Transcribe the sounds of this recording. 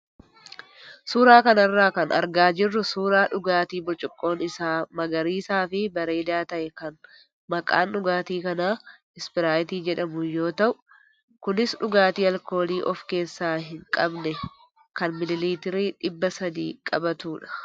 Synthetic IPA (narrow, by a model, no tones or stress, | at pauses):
suːɾaːkɐnɐrːaːkɐnʔɐ̰ɾɡaːd͡ʒɪrːʊsuːɾaːᶑʊɡaːt̪iːbʊɾt͡ʃʼʊkʼːo̞ːnɪsaːmɐɡɐɾiːsaːfɪbɐɾe̞ːd̪aːt̪ɐʔɛkɐn | mɐkʼa̰ːnᶑʊɡaːt̪iːkɐnaː | ɪspɪɾaːjɪt̪iːd͡ʒɛᶑɐmʊjo̞ːt̪ɐʔʊ | kʊnɪsᶑʊɡaːt̪iːɐlko̞ːliːʔɔfke̞ːsːaːɦɪŋkʼɐbnɛ | kɐnmɪlɪliːt̪ɪɾiːᶑɪbːɐsɐd̪ḭːkʼɐbɐt̪uːᶑɐ̥